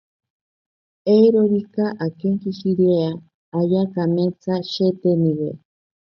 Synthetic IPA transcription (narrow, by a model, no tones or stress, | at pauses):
eɾoɾikaʔakeŋkiʃiɾea | ajakamet͡saʃet̪enĩwḛ